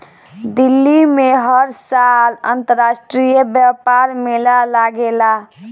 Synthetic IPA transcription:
d̪ilːimeɦəɾsalə̰̃nt̪əɾasʈɾijəbjapaɾmelalaɡela

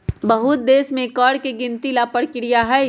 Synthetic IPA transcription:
bəɦʊt̪̚d̪eːsmẽkɔːɽkeɡɪ̃nt̪ilaːpəɽkɪɽijaɦɛ

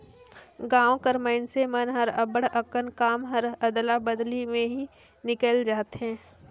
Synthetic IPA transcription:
ɡãːõkəɾməɪnsemənɦəɾəbəɽəkənkaːmɦəɾəd̪labəd̪limẽɦi | nɪkəld͡ʒaːt̪ɦɛ̃ː

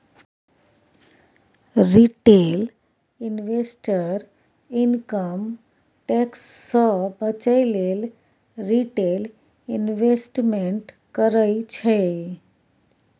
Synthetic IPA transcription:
ɾiʈel | inʋesʈəɾ | inkəm | ʈeksːə̃bət͡ʃəɪlel | ɾiʈel | inʋesʈmeɳʈ | kəɾəit͡ʃʰɛ

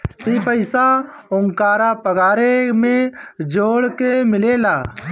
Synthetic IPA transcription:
t̪iːpəɪsaʊŋkaːɾapəɡaːɾemẽd͡ʒoːɽkemɪleːlaː

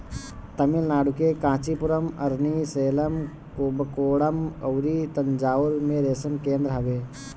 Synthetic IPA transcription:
t̪ɐmilnaːɽukekãːt͡ʃipuɾəmɐɾniseːləm | kobəkoːɽəmɐwɾit̪ɐnd͡ʒaːuɾmẽɾeːsənkeːnd̪ɾəɦɐbe

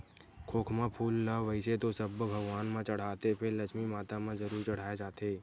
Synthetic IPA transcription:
kʰoːkʰmãpʰuːlːaʋəɪset̪osɐbbʱɐɡwaːnmãt͡ʃɐɽ̤aːt̪epʰɪɾlɐkʰmimaːt̪amãzɐɾuːɾt͡ʃɐɽ̤aːed͡ʒaːt̪eː

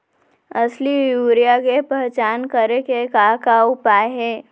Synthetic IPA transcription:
ɐslijuːɾijakepɛɦt͡ʃaːnkəɾekekakaʊpaːeɦɛː

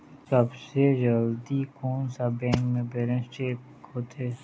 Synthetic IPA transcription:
səbsed͡ʒəld̪ikuːnsabɛ̃ːŋkmẽbeːɾẽnsʈeːp̚ | ɦoːt̪ʰeː

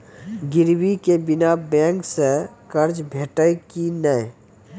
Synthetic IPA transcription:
ɡɪɾwikebɪnabɛ̃ːŋksekəɾd͡ʒbʱeːʈəkinəe

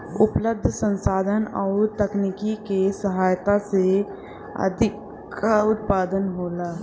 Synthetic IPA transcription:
ʊpləb̚d̪ʱsə̃nsaːd̪ʱənɔːɾt̪əknikikesəɦaːjt̪ase | ə̰d̪ʱɪk | aʊt̪̚paːd̪ənɦoːlaː

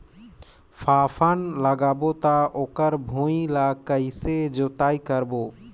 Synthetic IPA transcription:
fʰapʰanləɡabot̪aʔokəɾbʱoilakəjsed͡ʒot̪ajkəɾboː

